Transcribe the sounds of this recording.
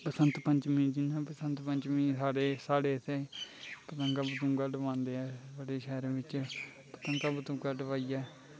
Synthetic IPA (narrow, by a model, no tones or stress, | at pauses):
pəsənt̪pəɲt͡ʃmĩːd͡ʒɪnãːpəsənt̪pəɲt͡ʃmĩːsaːɽeːsaːɽeːsepət̪əŋɡaːbət̪ʊ̃ːɡaːɖəʋãːnd̪eːɛːaːɽeːʃɛːɾʋɪt͡ʃ | pət̪əŋɡaːbət̪ʊ̃ːɡaːɖəʋaːiːɛː